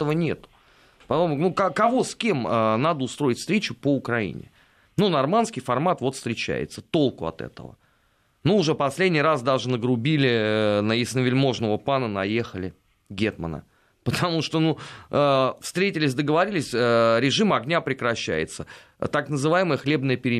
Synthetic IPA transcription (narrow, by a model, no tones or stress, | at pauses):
əvənʲe̞̰t̪ʊ̥ | pɐomnukɐkɐvo̞skʲe̞mənad̪əʊst̪ɾo̞ɪtʲft̪ɾʲet͡ɕʊpəʊkɾɐḭnʲɪ̰ | nunɐrmanskʲɪjfɐrmat̪vo̞t̪fst̪ɾʲɪt͡ɕæ̰jɪ̰t̪sət̪o̞lˠkʊɐ̰t̪ɛ̰t̪ə̰və̰ | nuːʐɛpɐsʲlʲedʲnʲijrasd̪aʐɨnəɡɾʊbʲilʲɪnəjɪsnəvʲɪlʲmo̞ʐnəvəpanənɐje̞xəlʲɪ | ɡʲet̪mə̰nə̰ | pət̪ʰɐmuʂt̪onuəfst̪ɾʲetʲɪlʲɪsʲd̪əɡəvɐɾʲilʲɪsʲəɾʲɪʐɨmɐɡnʲapɾʲɪkɾɐɕːæ̰jɪ̰t̪sə | t̪aknəzɨvajɪməjəxlʲe̞bnəjəpʲɪɾʲɪ